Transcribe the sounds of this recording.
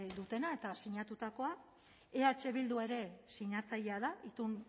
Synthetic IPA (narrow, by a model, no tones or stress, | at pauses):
d̪ut̪e̞nae̞t̪asiɲat̪ut̪ako̞a | eaet͡ʃe̞βild̪ue̞ɾe̞siɲat͡saʎeað̞aʔit̪un